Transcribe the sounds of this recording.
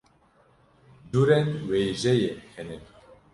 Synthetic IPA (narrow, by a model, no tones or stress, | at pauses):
duɾɛnweːjʒɛjehɛnɛ